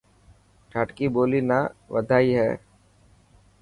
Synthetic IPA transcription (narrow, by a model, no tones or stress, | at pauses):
ʈʰaːʈkiboːlinaːʋəd̪ʱaːiɦɛ̰ː